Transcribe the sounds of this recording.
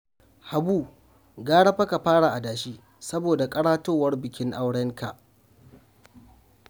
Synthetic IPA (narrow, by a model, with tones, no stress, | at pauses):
ha˨buː˦˨ | ɡaː˦ɽɐ˦ɸɐ˦ka˨ɸaː˦ɽa˨ʔa˨daː˨ʃiː˦ | sɐ˦boː˨da˨kʼɐ˦ɽaː˦toː˦wɐ˦rbɪ˨kʲɪ˦ŋʔa˦wɽɛ˦ŋkʰa˨ʔ